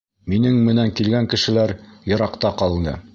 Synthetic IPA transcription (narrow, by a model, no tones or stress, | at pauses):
minɘŋmɘ̆næŋkilɡæŋkɘ̆ʃɘ̆læɾjɤ̆ɾɑqt̪ɑqɑlˠɤnɤ̰